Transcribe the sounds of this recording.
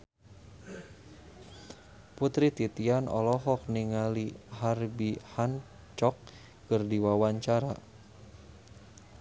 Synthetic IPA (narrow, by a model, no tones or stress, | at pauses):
put̪ɾit̪it̪ianʔɔ̰lɔɦɔk̚niŋaliharbihan | t͡ʃɔkː | ɨrdiwawaɲt͡ʃaɾa̰